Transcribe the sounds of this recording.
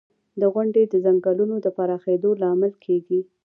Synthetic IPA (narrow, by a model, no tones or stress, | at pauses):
d̪əɣwaɳɖed̪əzaŋɡɑlunod̪əpaɾɑxed̪olɑmɪlkʰeɡi